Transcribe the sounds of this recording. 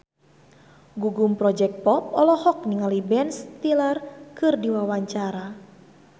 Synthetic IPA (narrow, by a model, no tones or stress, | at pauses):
ɡuɡumpɾɔd͡ʒɛk̚t̪̚pɔp̚ɔlɔhɔk̚niŋalibɛnst̪ilarkɨrdiwawaɲt͡ʃaɾa